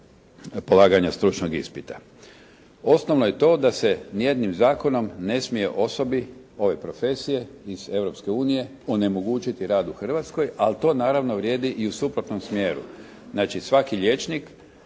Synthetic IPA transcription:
po̞laːɡaɲast̪ɾut͡ʃnoɡḭspit̪ḁ | o̞sno̞ʋnoje̞t̪o̞ːd̪ase̞nije̞d̪nimzaːko̞no̞mne̞smije̞ʔo̞so̞bi | o̞ʋe̞pɾo̞fe̞sije̞ize̞ʋɾo̞pske̞uːnije̞ | o̞ne̞mo̞ɡuːt͡ʃit̪iɾaːd̪uxr̩ʋat̪sko̞jalt̪o̞ːnaːɾaʋnoʋɾje̞ːd̪iʔiusupɾo̞t̪no̞msmjeːɾṵ | znaːt͡ʃisʋakiʎʲe̞t͡ʃnik

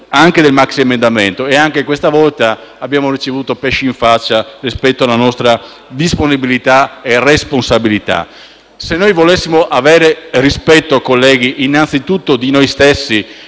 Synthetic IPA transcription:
aŋk̟ed̪elmaksiemẽnd̪ament̪oeaŋk̟ekwest̪avɔlt̪aabːjaːmorit͡ʃevuːt̪opɛʃːiiɱfat͡ʃːarispɛt̪ːoalanɔst̪ɾa | d̪isponibilit̪aeresponsabilit̪a̰ | senːojvolesːimoʔavɛːɾerispɛt̪ːoakolːɛːɡiʔːnːant̪sit̪ut̪ːod̪inojst̪esːi

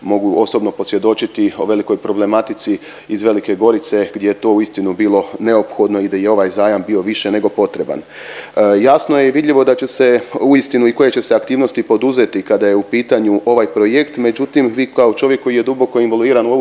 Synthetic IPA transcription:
mo̞ɡuo̞so̞bno̞po̞sje̞d̪o̞t͡ʃit̪io̞ʋe̞liko̞jpɾo̞ble̞mat̪it̪si | izʋe̞like̞ɡo̞ɾit̪se̞ɡd̪jejet̪o̞ːuist̪inubiːlˠo̞ne̞o̞pxo̞d̪no̞id̪aje̞o̞ʋajzaːjambio̞ʋiʃe̞ne̞ɡo̞po̞t̪ɾe̞ba̰n | jasno̞jeʋid̪ʎʲiʋo̞d̪at͡ɕe̞se̞uist̪inuiko̞je̞t͡ɕe̞seakt̪iːʋno̞st̪ipo̞d̪uze̞t̪ikad̪ajeupiːt̪aɲuʔo̞ʋajpɾo̞jekt̪me̞d͡ʑut̪imʋiːkaot͡ʃo̞ʋjekːo̞jije̞d̪ubo̞ko̞inʋolˠuiːɾanuou

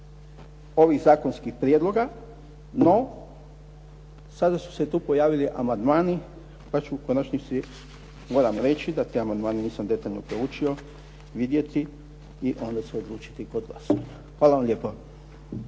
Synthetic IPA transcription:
o̞ʋiɣzaːko̞nskixpɾijed̪lo̞ɡa | no̞ | sad̪asu̥set̪uːpo̞jaːʋiliʔa̰mand̪maːni | pat͡ʃuukonat͡ʃɲisi | mo̞ːɾamɾe̞t͡ʃid̪at̪eamand̪maːneniːsamd̪e̞t̪aʎno̞pɾeut͡ʃio̞ | ʋid̪je̞t̪i | iʔo̞nd̪at͡ɕeod̪lˠuːt͡ʃi̥t̪ikod̪ɡlˠa̰soɲa | xʋaːlaʋamlʎeːpo

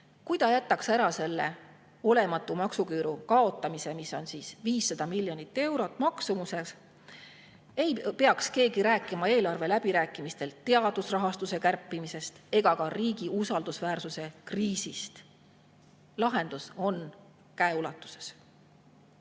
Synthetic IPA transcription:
kujt̪ɑjæt̪ːˑɑksæɾɑse̞lːe̞ | o̞le̞mɑt̪ːˑumɑksukyːɾukɑo̞t̪ˑːɑmise̞miso̞nsiːsviːsːɑd̪̥ɑmilʲːjo̞nit̪ːe̞wɾo̞t̪ːˑmɑksumuse̞s | e̞jpe̞ɑkske̞ːɡiɾæːkːˑimɑe̞ːlɑrve̞læb̥iɾæːkːˑimist̪e̞lt̪e̞ɑd̪̥usrɑɦɑst̪use̞kærpːˑimise̞st̪e̞ɡ̥ɑkɑriːɡ̥iusɑld̪̥usvæːrsuse̞kriːsist̪ | lɑɦe̞nd̪̥uso̞n | kæe̞ulɑt̪ːˑu̥se̞̥s

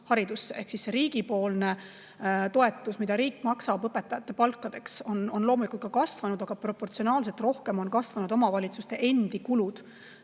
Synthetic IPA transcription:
hɑɾid̪̥usːee̞hksisːeɾiːɡ̥ipo̞ːlne̞ | t̪o̞e̞t̪ːˑusmid̪̥ɑɾiːkːˑmɑksɑbɤpe̞t̪ːˑɑjɑt̪ːe̞pɑlkːɑd̪̥e̞kso̞no̞nlo̞ːmulikult̪̚kːɑkɑsvɑnud̪̥ɑɡ̥ɑpro̞pːo̞rt̪sio̞nɑːls̬elt̪ro̞hke̞mo̞nkɑsvɑnud̪o̞mɑvɑlʲit̪sust̪e̞ʔe̞nd̪̥ikulud̪̥

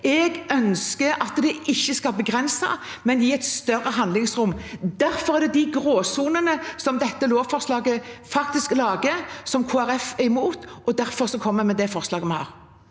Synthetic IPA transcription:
ʔɛɡœnskəɾɑt̪d̪ɛʔɪçːəskɑlbəɡʁɛnsɑ̰ | mɛnjiːɛɪt̪st̪œrːəɦɑnd̪lɪŋsʁʊmːd̪æɾfɔɾʁæʁd̪ɛd̪ɪɡɾoːsuːnənəsɔmd̪ɛt̪ːəloːʋfɔʁslɑːɡəfɑk̚t̪ɪsklɑːɡəsɔmkʰoːæɾɛfɪmuːt̪ʔɔd̪æɾfɔɾʁsɔkʰɔmːəmɛd̪ɛfɔʁslɑːɡəmɛnhɑ̰ːʁ

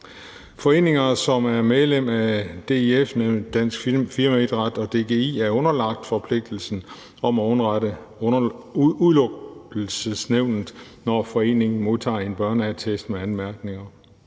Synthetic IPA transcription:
fɒ̽e̝̰ːne̝ŋɐsɒ̽mæɐmeðˠlem̰æd̥e̝efned̥æn̰sɡ̥fiɐmæed̥ʁɑd̥ɒ̽d̥e̝ɡ̥e̝ḭːæɐɔ̽nɐlɑ̈ɡ̥̚d̥fɒ̽pʰle̝ɡ̥̚d̥l̩sn̩ | ɒ̽mæɔnʁɑɾə | uðˠlɔ̽ɡ̥l̩səsneʊ̰nð̩ˠnɒfɒ̽e̝̰ːne̝ŋn̩mo̝ðˠt͡sʰɑ̰̈ːe̝nb̥ɶɐnəæt͡sʰesd̥meænmæɐɡ̥ne̝ŋɐ

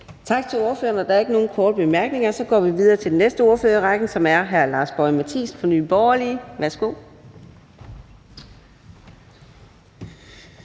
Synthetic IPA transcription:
t͡sʰɑ̈ɡ̥̚t͡sʰe̝lo̝ɐføːɐnɒd̥ɑ̈æɐe̝ɡ̥əno̝ːn̩kʰɒːd̥əb̥e̝mæɐɡ̥ne̝ŋɐsɒ̽ɡ̥ɒ̰ːʋiʋið̞ˠɐːt͡sʰe̝ld̥nesd̥əo̝ɐføːɐʁɑ̈ɡ̥n̩sɒ̽mæɐɦæɐlɑ̈ːsb̥ɒɪmæt͡sʰḭːspʰɒ̽ny̰ːb̥ɒʊɐliːʋæɐsɡ̥o̝̰ː

